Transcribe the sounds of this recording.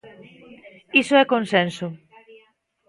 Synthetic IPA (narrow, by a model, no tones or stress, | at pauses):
isoɛkonsensʊ